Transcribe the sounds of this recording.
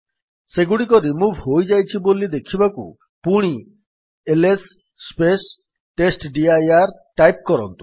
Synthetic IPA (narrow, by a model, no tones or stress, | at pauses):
seɡuɽikɔɾimubʱɦojd͡ʒajt͡ʃʰibolid̪ekʰibakṵ | puɽ̃i | elesː | pes | ʈesʈɖiajaɾʈajp̚kɔɾɔ̰nt̪u̥